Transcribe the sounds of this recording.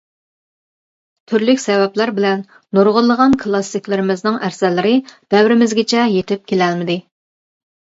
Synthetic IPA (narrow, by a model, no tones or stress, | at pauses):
t̪ʰyɾlykʲsɛvɛplæɾbɪlɛnː | oɾʁəlˠːəʁɑnkʰlˠɑsɨkʲlˠɪɾɪmɪznɨŋæɾsɛlːɪɾɪd̪̥ɛwɾɪmɪzɡʲɪt͡ʃʰɛjet̪ʰɪp̚kʲʰelɛlmɪd̪ɪ